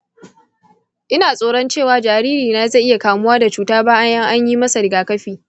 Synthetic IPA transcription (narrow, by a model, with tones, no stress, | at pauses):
ʔɪ˦naː˨sʼoː˦˨ɽɔ˦nt͡ʃeː˦˨waː˨d͡ʒaː˨ɾiː˦ɾiː˨naː˨zɐ˦˨ʔɪ˦ja˨kaː˨mʊ˦waː˦da˨t͡ʃuː˨taː˦baː˦ʔa˦jɐ˦ŋʔa˦ɲji˦mɐ˦sa˨ɾɪ˨ɡaː˨kɐ˦ɸiː˨